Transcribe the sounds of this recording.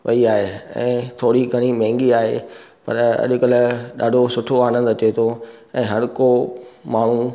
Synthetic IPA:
ʋɐiaːɦeɛ̰̃ːt̪ʰoːɽiɡʱɐɽ̃imɛ̃ɦːŋɡiaːɦḛpɐ̰ɾɐ̰ʄʊ̆kɐlɗa̰ːɖʱosʊʈʰoaːnə̃nd̪ɐt͡ɕet̪ʰoɛ̃ːɦɐɾkomaːɳ̤u

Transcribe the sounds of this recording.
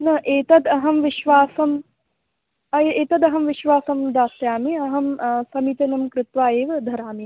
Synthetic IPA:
nɐʔeːt̪ɐd̪ɐɦɐmʋiʃʋaːsɐm | ɐeːt̪ɐd̪ɐɦɐmʋiʃʋaːsɐmd̪aːst̪jaːmiɐɦɐmsɐmit̪ɐnɐmkɾɪt̪ʋaːeːʋɐd̪ʱɐɾaːmi

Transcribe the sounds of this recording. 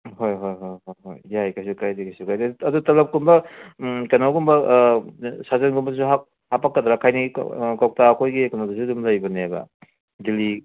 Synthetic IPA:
hojɦojɦojɦojɦo̰jːajkajsukajdikajsukajdɐdutɐlɐp̚kumbɐkɐnawkumbɐ | sazenɡumbɐsuɦa | hapakːadɾakʰajniɡḭkawk̚takʰojɡikɐnawdusudumlɐjbɐnebɐ̰ | dili

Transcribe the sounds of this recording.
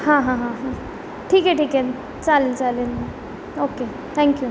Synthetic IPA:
hãɦãɦãɦã | ʈʰiːkeʈiːkɛ | t͡salit͡salenma | oke | t̪ʰɛ̃ŋkju

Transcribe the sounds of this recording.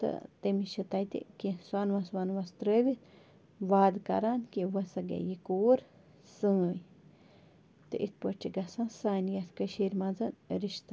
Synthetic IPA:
t̪ə̰t̪emiʃət̪ajt̪ḭʔkʲeswanwaswanwast̪ɾəbit̪ | wad̪ka̰ɾankẽwəsaɡḛjikuːɾ | sə̃j | t̪eʔit̪̚pət͡ʃiɡasãsanjat̪kəʃiɾmãd͡zənɾiʃt̪a

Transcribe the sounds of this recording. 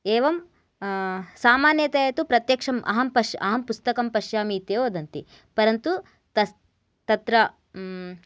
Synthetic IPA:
eːʋɐm | saːmaːnjɐt̪ɐjɐt̪upɾɐt̪jɐkʂɐmʔɐ̰ɦɐmpɐʃɐ̰ɦɐmpust̪ɐkɐmpɐʃjaːmiːt̪eoːd̪ɐnt̪ḭ | pɐɾɐnt̪u | t̪ɐ | t̪ɐt̪ɾɐ

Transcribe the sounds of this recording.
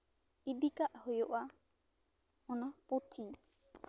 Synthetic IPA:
idikaʔhojɔʔa | ɔnapot̪ʰi

